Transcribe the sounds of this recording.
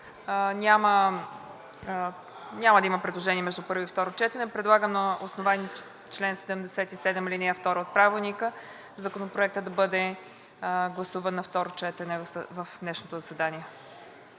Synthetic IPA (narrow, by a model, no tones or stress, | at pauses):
nʲamə | nʲaməd̪ɐiməpɾɛd̪lˠoʒɛnʲiɛmɛʒd̪upɤɾvoift̪ɔɾot͡ʃɛt̪ɛnɛpɾɛd̪lˠaɡəmnɐosnovani | t͡ʃlɛnsɛd̪ɛmd̪ɛsɛt̪isɛd̪ɛmlinɛjaft̪ɔɾəot̪̚pɾavɛlˠnikə | zɐkonopɾoɛk̚t̪əd̪ɐbɤd̪ɛ | ɡlˠɐsuvənːɐft̪ɔɾot͡ʃɛt̪ɛnɛvvəfd̪nɛʃnot̪ozɐsɛd̪aniɛ